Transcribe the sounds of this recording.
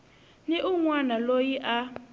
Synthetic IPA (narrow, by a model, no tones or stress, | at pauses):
niʔuŋwanalojiʔa